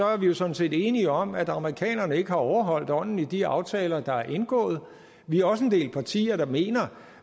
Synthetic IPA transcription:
ɒ̽æɐʋijo̝sɔ̽dn̩se̝̰ːd̥e̝ːniɒ̽mæd̥ɑ̈məʁikʰɛ̰ːnɐnəe̝ɡ̥əhɑ̈ɒʊɐɦɒ̽l̰d̥ɒ̽n̰n̩id̥iɑ̈ʊt͡sʰɛːlɐd̥ɑ̈æɐʔe̝nɡ̥ɔ̰̽ːð̞̩ˠ | ʋiæɐɒ̽səe̝nd̥e̝̰ːlpʰɑ̈t͡sʰḭːɐd̥ɑ̈me̝̰ːnɐ

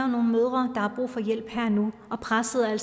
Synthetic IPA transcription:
ɐʊno̝ːn̩møð̞ˠʁɐd̥ɑ̈hɑ̈b̥ʁṵːfɒ̽jel̰b̥hæɐ̰nuɒ̽pʰʁasəð̩ˠæl̰

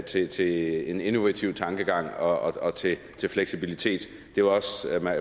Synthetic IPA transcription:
t͡sʰe̝t͡sʰe̝e̝ne̝no̝ʋæt͡sʰiʊ̰t͡sʰɑ̈ŋɡ̥əɡ̥ɑ̈ŋ̰ɒ̽ɒɒt͡sʰe̝ | t͡sʰe̝lfleɡ̥sib̥ilit͡sʰe̝̰ːd̥ | d̥e̝ʋɑ̈ɒ̽smæ

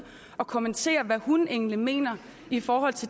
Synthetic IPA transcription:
ɒ̽kʰo̝ment͡sʰe̝̰ːɐʋæhune̝ŋnlime̝̰ːnɐ | ifɒːɦɒ̽l̰t͡sʰe̝

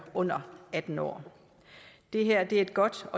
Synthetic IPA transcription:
ɔ̽n̰ɐæd̥n̩ɒ̰ː | d̥e̝ɦæɐ̰d̥e̝æe̝d̥̚ɡ̥ɒ̽d̥ɒ̽

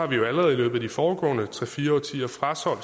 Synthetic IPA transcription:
hɑ̈ʋijo̝æləʁɛð̞̩ˠilø̰ːb̥̩ˠæd̥ifɒːɡ̥ɔ̰̽ːnət͡sʰʁɛfiːɐɒt͡sʰḭːɐfʁasɒ̽l̰

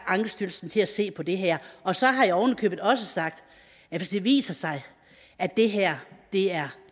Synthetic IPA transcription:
ɑ̈ŋɡ̥əsd̥yl̩sn̩t͡sʰe̝læse̝̰ːpʰɒ̽d̥e̝ɦæɐ̰ɒ̽sɒ̽ɦɑ̈jɑɒʊnəkʰø̰ːb̥ð̩ˠɒ̽səsɑ̈ɡ̥̚d̥ | æfæsd̥e̝ʋḭːsɐsɑ̈ɪ | ʔæd̥e̝ɦæɐ̰d̥e̝æɐ

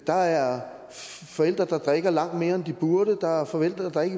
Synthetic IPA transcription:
d̥ɑ̈æɐ | fɒ̽el̰d̥ʁɐd̥ɑ̈d̥ʁɛɡ̥ɐlɑ̈ŋ̰d̥me̝ːɐend̥ib̥uɐɾəd̥ɑ̈ɐfɒ̽el̰d̥ʁɐd̥ɑ̈e̝ɡ̥ə

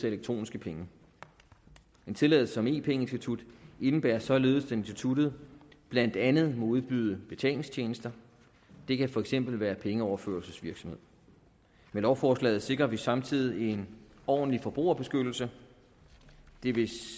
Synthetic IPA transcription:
eleɡ̥̚t͡sʰʁo̝̰ːnisɡ̥əpʰeŋə | ent͡sʰe̝lɛð̩ˠsəɒ̽me̝̰ːpʰeŋəe̝nsd̥it͡sʰud̥e̝nəb̥æːɐsɒ̽le̝ːð̩ˠsd̥ʰee̝nsd̥it͡sʰud̥ð̞̩ˠb̥læn̰d̥ænð̞̩ˠmɒ̽uð̞ˠb̥yð̞ˠəb̥e̝t͡sʰɛ̰ːle̝ŋst͡ɕʰeːnəsd̥ɐ | d̥e̝kʰæfɒ̽eɡ̥sem̰b̥l̩ʋæːɐpʰeŋəɒʊɐfø̰ːɐlsəsʋiɐɡ̥sɒ̽me̝ð̞̰ˠ | melɒʊfɒːslɛ̰ːð̩ˠse̝ɡ̥ʁɐʋisɑ̈mt͡sʰið̰ˠien | ɒ̰ːn̩lifɒ̽b̥ʁo̝̰ːɐb̥e̝sɡ̥ød̥l̩sə | d̥e̝ʋe̝

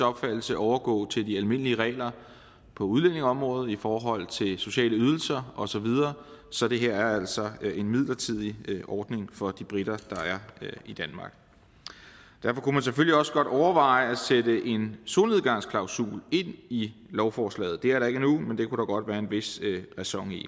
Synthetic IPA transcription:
ɒ̽b̥fæd̥l̩səʔɒʊɐɡ̥ɔ̰̽ːt͡sʰe̝ld̥iælme̝n̰əliəʁɛ̰ːɪlɐ | pʰɒ̽uðˠlen̰e̝ŋɒ̽mʁɔ̽ːð̩ˠifɒːɦɒ̽l̰t͡sʰe̝lso̝ɕɛ̰ːləyð̞ˠl̩sɐɒ̽sɒ̽ʋið̞ˠɐːsɒ̽d̥e̝ɦæɐ̰æɐæl̰sɒ̽e̝nmið̰ˠlɐt͡sʰið̞̰ˠiʔɒːd̥ne̝ŋfɒ̽d̥ib̥ʁiɾ̥ɐd̥ɑ̈æɐid̥ænmɑ̈ːɡ̥ | d̥æɐfɒ̽kumæns̬eføliɒ̽səɡ̥ɒ̽ɾ̥ɒʊɐʋɑ̈ɪæsed̥əʔe̝nso̝neð̞ˠɡ̥ɑ̈ŋ̰skʰlɑ̈ʊsṵːle̝n̰ilɒʊfɒːslɛ̰ːð̩ˠd̥e̝æɐɾɑ̈e̝ɡ̥ənumend̥e̝kʰuɾ̥ɑɡ̥ɒ̽d̥ʋæːɐe̝nʋe̝sʁɛsɒ̽ŋ̰ḭ

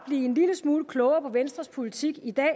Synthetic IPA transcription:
b̥liːe̝nliləsmuːləkʰlɔʊɐpʰɒ̽ʋensd̥ʁɐspʰolit͡sʰiɡ̥id̥ɛ̰ː

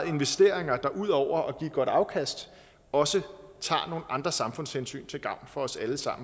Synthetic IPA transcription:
ð̩ˠe̝nʋesd̥e̝ɐ̰e̝ŋɐd̥ɑ̈ʔuð̰ˠɒʊ̰ɐʔɒ̽ɡ̥iːɡ̥ɒ̽d̥ɑ̈ʊkʰæsd̥ | ɒ̽sət͡sʰɑ̰̈ːno̝ːn̩ʔɑ̈nd̥ʁɐsɑ̈mfɔ̽nshensy̰ːnt͡sʰe̝lɡ̥ɑ̈ʊ̰nfɒ̽ɒ̽sæləsɑ̈m̰n̩

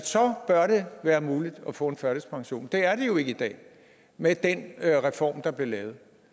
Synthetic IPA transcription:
sɒ̽b̥ɶɐɾ̥e̝ʋæːɐmuːlid̥ɒ̽fɔ̰̽e̝nfɶɐɾəspʰɑ̈ŋɕo̝̰ːnd̥e̝æɐɾ̥e̝jo̝e̝ɡ̥əid̥ɛ̰ː | med̥enʁɛfɒ̰ːmd̥ɑ̈b̥liɐlɛːʊð̞̩ˠ

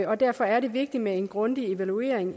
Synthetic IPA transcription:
ɒ̽d̥æɐ̰fɒ̽æɐɾe̝ʋe̝ɡ̥̚d̥imee̝nɡ̥ʁɔ̽nd̥ie̝ʋælue̝̰ɐ̰eŋ

